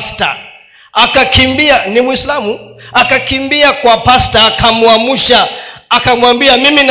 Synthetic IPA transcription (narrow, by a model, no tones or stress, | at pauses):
sta̰ | akakʰimbianimwislamuakakimbiakwapastaːkʰamuamuʃaːkamuwambiamimin